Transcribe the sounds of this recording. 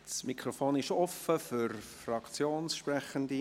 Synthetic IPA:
smikʁofoːnɪʃɔfəfyɾfrɑkt͡sjoːnsʃprɛχəndi

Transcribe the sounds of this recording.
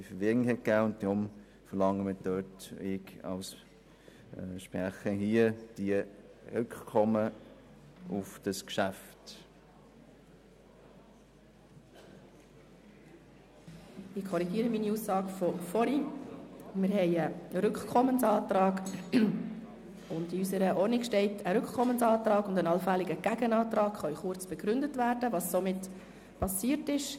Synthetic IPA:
ifəɾʋɪɪhɛt̚kæːʊnt̚d̥ʁʊm | fəɾlɑŋːəməd̥øtɪkɑ̰ls | ʃpʁæχəɦiəd̥iə | ʁʉkχkʰɔmə | ʊfd̥ɑskʃæft | ɪkʰɔɾiɡ̥iəɾəmiːniuːsːɑːɡfɔfɔɾi | mɪɾhɛɪəɾʏkχkʰɔmənsɑːtɾɑːɡ | ʊndiysəɾəʔɔrnɪkʃtɛɪtʰəɾʏkχkʰɔmːənsɑːtrɑːɡʊndənɑlfæliɡəɡ̥æɡ̥ənɑːtrɑːkχɑyχʊɾt͡sb̥ɛɡ̥ɾʏndətvæːɾd̥əvɑssɔmɪt | pʰɑsiːrtɪʃ

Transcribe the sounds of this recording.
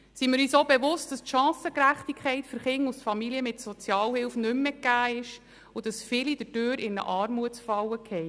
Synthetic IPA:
simɪɾyːsobevʊst̚d̥ɑstʃɑ̃ːsəkɾæχt̪ikχɛɪtføɾχɪŋːusfɑmiliəmɪtsɔt͡sjɑːlhɪlfnʏmːɛkːæːɪʃ | ud̥ɑsfɪlid̥ətøːɾɪnə̰ʔɑːɾmuətsfɑwəkhɛj

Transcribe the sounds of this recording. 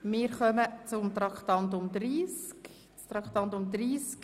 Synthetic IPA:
mɪːɾχœmət͡sʊmt̪ɾɑkχt̪ɑnt̪̬ʊmd̪ɾiːsk | t͡st̪ɾɑkχt̪ɑnt̪ʊmd̪ɾiːsk

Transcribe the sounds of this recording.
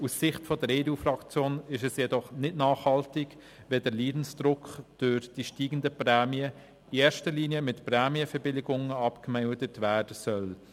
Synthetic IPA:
ussɪχtfɔdəɾeːduːfrɑkt͡sjoːnɪʃɛsjɛdɔχnɪdnɑːχhɑltɪɡ | ʋɛdəliːdn̩sd̥ɾʊkχd̥ʊɾd̥iʃtiːɡən̩dəpɾɛːmiə | ieːɾʃtəliːniəmɪtprɛːmiəfɛɾbɪlɪɡʊŋəɑpkmɛwdətʋæːrd̥əsœl

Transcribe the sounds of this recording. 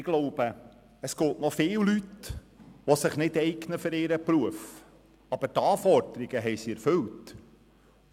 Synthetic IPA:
ɪɡ̥loʊb̥ə | əskoːtnɔfɪːllyt | ʋosɪχnɪdɛɪɡnəfɵɾɪɾəpɾuəf | ɑb̥ətɑːfɔɾd̥əɾiɡəɦɛɪsiɛɾfɵlt

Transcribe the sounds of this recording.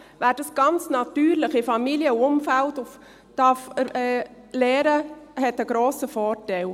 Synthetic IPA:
væːɾd̥ɑsɡ̥ɑnt͡snɑt̪yːɾlɪχɪfɑmiliəʊmfæltʊf | d̥ɑfəɛː | leːɾəhɛtəɡ̥ɾoːsəfɔːɾtɛɪl

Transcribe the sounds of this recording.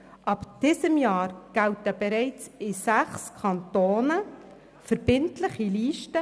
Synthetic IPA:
ʔɑpd̥ɪːsəmjɑːɾɡ̥æltəb̥ɛɾɛɪt͡sɪsæχskʰɑntoːnə | fəɾb̥ɪntlɪχiliːʃtə

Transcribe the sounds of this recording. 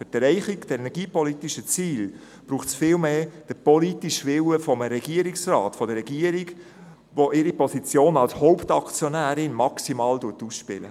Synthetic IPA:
fəd̥ɾɛɪχɪɡd̥əɛnɛɾɡ̥iːpɔlitiʃət͡siːl | b̥ɾuːχsfɪːlmeːd̥əpɔlitiʃʋɪwəfɔməɾɛɡiəɾiksrɑ̰ːtfɔdəɾɛɡiəɾiɡ | ʋoʔɪɾipɔsit͡sjoːnɑlshoʊptɑkt͡sjɔnæːɾɪnmɑksimɑːlduətusʃpɪ̰lə̰

